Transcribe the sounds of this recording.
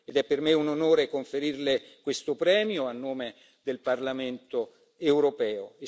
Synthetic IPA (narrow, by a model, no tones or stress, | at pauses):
ed̪ɛpːermeunonoːɾekoɱfeɾirlekwest̪opɾɛːmjoanːoːme | d̪elparlament̪o | ewɾopɛːoe